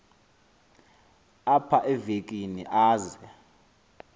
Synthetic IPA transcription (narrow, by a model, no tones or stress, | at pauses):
apʰaʔɛvek̬ʼinḭʔaːzɛ